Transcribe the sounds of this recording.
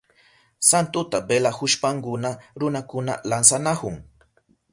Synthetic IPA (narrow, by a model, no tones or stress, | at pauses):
sant̪ʊt̪abelahʊʃpaŋkʊnaɾʊnakʊna̰lansanahʊŋ